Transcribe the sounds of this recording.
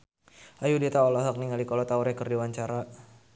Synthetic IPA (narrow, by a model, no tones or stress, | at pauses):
ʔajudit̪aɔlɔɦak̚niŋalikɔlɔt̪auɾɛkərdiwaɲt͡ʃaɾa